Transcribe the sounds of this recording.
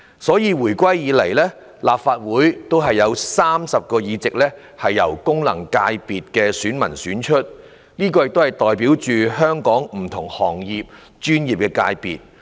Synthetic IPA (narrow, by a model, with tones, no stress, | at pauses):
sɔː˨˥jiː˨˧wuː˨˩jkʷwɐ˥jjiː˨˥le˨˩jlɛː˥ | laː˨p̚faː˧t̚wuː˨˥jt̪o˥wɦɐ˨jːɐ˨˧wsaː˥msɐ˨p̚kɔː˧jiː˨˧t͡sɪ˨k̚lɛː˥ | hɐ˨jːɐ̰˨˩wkʊ˥ŋlɐ̰˨˩ŋkaː˧jpiː˨t̚kɛː˧syː˨˥nmɐ̰˨˩nsyː˨˥nt͡ʃʰɵ˥t̚ | niː˥k̬ɔː˧jɪ˨k̚t̪o˥hɐ˨˩jt̪ɔː˨jpiː˨˥wt͡ʃyː˨ɦœː˥ŋkɔː˨˥ŋm̩˨˩t̪ʰʊ˨˩ŋhɔː˨˩ŋjiː˨p̚ | t͡ʃyː˥njiː˨p̚kɛ˧ka̰ː˧jpḭː˨t̚